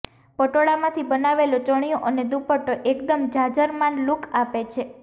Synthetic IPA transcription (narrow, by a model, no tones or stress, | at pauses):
pəʈoɽamãt̪ʰibənaʋelot͡ʃəɳ̃ijoʔəned̪upəʈoʔekd̪əmd͡ʒad͡ʒəɾmanlukʰapet͡ʃʰe